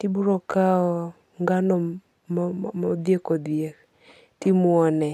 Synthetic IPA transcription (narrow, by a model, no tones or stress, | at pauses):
tibuɾɔkaɔ | ŋɡanɔ | ɔd̪jekɔd̪je | timwɔnɛ